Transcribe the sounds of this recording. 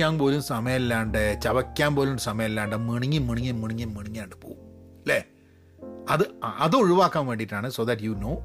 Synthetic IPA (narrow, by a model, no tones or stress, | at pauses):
aːnpo̞ːlumsɐmɐjɐlːaːɳɖet͡ɕɐʋɐkʲːaːnpo̞ːlumsɐmɐjɐmlːaːɳɖɨmiɳiŋːɨmiɳiŋːɐmiɳiŋːɐmːiɳiɲːaːɳɖɨpoːum | leː | ɐðɨʔɐðɨuɻuʋaːkːaːnʋeːɳɖiʈːaːɳɨsoːðɐʈjunoː